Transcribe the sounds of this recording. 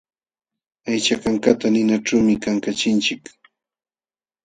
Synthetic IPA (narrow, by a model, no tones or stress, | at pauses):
ajt͡ʃakaŋkat̪anɪnaʈ͡ʂawmɪkaŋkat͡ʃɪnt͡ʃɪk